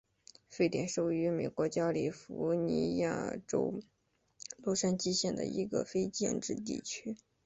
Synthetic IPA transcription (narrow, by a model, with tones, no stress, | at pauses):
fe˥ɪt̪jɛ˨˩nʂo˨˥˩ʊy˧˥me˨˩ɪkwɔ˧˥t͡ɕja˥li˨˩fu˧˥ni˧˥ja̰˥˩ʈ͡ʂo̰˥ʊ | lwɔ˥˧ʂa˥nt͡ɕi˥ɕjɛ˥˩nd̪ə̰˩i˧˥ɡə̰˧fe˥ɪt͡ɕjɛ̰˥˧nʈ͡ʂɻ̩˥˧t̪̬ḭ˥˩t͡ɕʰy˥